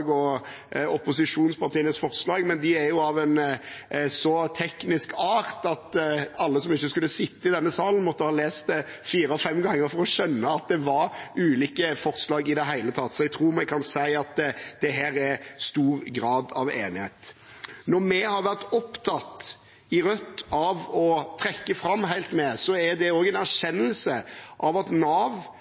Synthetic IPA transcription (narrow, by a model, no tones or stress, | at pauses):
ɡɔ | ɔpʊsɪʂuːnspɑʁt̪ʰiːənəsfɔɾslɑːɡmɛnd̪ɪæɾjʊɑʋɛn | sɔt̪ʰɛknɪskʰɑːɾt̪ɑt̪ɑlːəsɔmɪçːəskʉlːəsɪt̪ːəɪd̪ɛnːəsɑːlən̩mɔt̪ːəhɑːleːst̪ | fiːɾəɔfɛmɡɑŋːəɾfɔɾɔʃœnːəɑt̪̚d̪ɛʋɑɾʉːliːkəfɔʁslɑːɡɪd̪ɛɦæɪlət̪ʰɑt̪ːsɔɛɡ̚t̪ʰɾuːmɛkʰɑnsæɪɑt̪̚d̪̥ɛɦæːɾɛɾst̪uːɾɡɾɑːd̪ɑʋḛːnɪheɪt̪nɔɾmɛhɑɾʋæʁt̪ɔpt̪ʰɑt̪ | ɪɾœt̪ːɑʋɔt̪ʰɾɛkːəfɾɑmːɦæɪlt̪mɛsɔæd̪ɛoːɡɛnæʃɛnːəlsəʔɑʋɑt̪nɑːʋ